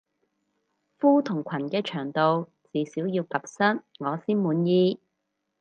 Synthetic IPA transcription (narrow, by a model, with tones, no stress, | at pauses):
fuː˥t̪ʰʊ˨˩ŋkʷʰɐ˨˩nkɛː˧t͡ʃʰœː˨˩ŋt̪o˨w | t͡siː˨˧siː˨˥wjiː˧wkɐ˨p̚sɐ˥nŋɔː˨˧siː˥nmuː˨˧njiː˧